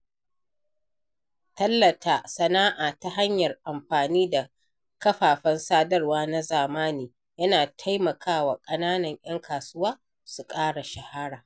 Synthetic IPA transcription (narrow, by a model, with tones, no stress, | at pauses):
tɐ˦lːɐ˨tʰaː˦sɐ˨naː˦ʔaː˨ta˦ɦa˦ɲjɐ˨rʔa˨mɸaː˨niː˦da˨ | kɐ˦ɸaː˨ɸɐ˦nsaː˦dɐ˦rwaː˦na˦zaː˨maː˦niː˨ | jɐ˦naː˨tʰa˦jmɐ˨kʰaː˦waː˨kʼɐ˦naː˦nɐ˨ɲʔɐ˦ŋkʰaː˨sʊ˦waː˦ | su˨kʼaː˦ɽa˨ʃa˨ha˦ɽaː˨